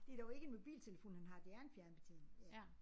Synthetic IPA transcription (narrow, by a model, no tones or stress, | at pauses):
d̥e̝æɐd̥ɒʊe̝ɡ̥əenmo̝b̥ḭːlt͡sʰe̝ləfo̝̰ːnhænɦɑ̈d̥eæɐenfjæɐnəb̥et͡sʰḭːn